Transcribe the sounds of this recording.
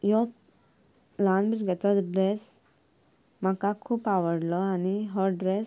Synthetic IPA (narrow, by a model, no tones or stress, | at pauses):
jɔ | lãnbɾiɡat͡sɔɖɾes | m̤akakʰuːpaʋəɽlɔaniɦɔɖɾes